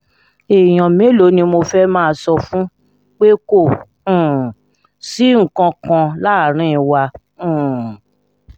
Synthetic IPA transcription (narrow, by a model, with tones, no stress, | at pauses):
e˨j̃ɔ̃˨mẽ˨˦lo˨˦nĩ˧mo˧fɛ˦mãː˦˧sɔ˧fũ˦ | k͡pe˦kõ˦˨˦ | si˦ŋ̩˨kã˧kã˧la˦˨ɾ̃ĩ˦ĩ˧wa˧ | ũ˦˨